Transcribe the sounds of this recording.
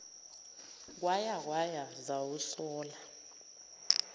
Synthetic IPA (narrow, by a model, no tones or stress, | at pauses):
k̬ʼwajak̬wajazawusɔːla